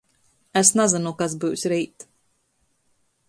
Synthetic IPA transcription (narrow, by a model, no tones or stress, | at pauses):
ɛsnazɨnukas̬bɨwsʲɾiːt̪